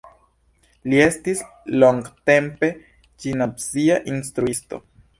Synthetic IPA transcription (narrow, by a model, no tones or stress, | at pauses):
lie̞stis | lo̞ŋɡte̞mpe̞ | d͡ʒinabziaʔinst̪ɾuisto̞̰